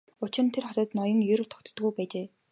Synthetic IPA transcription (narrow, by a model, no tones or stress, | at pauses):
ʊt͡ɕɪ̆r̆nt̪ʰerχɔt̪ɞ̆t̪nɔjə̆ŋjɵɾ̆t̪ʰɔ̥kt̪̆t̪ɡujpæːt͡ɕeː